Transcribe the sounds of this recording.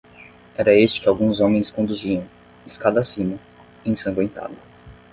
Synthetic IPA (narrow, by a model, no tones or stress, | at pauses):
ɛɾɐest͡ʃɪ̥kɪawɡũzõmẽj̃skõnd̪uziɐ̃w̃ | iskad̪asĩmɐ | ẽj̃sɐ̃ŋɡwẽnt̪a̰d̪ɐ